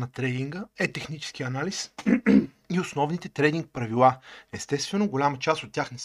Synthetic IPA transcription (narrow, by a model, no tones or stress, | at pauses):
nɐt̪ɾɛd̪iŋɡəɛt̪ɛxnit͡ʃɛ̥skiɐnalis | iosnɔvnit̪ɛt̪ɾɛd̪iŋk̚pɾɐvilˠaɛst̪ɛst̪vɛnoɡolʲamət͡ʃast̪ot̪ʲːjaxnɛs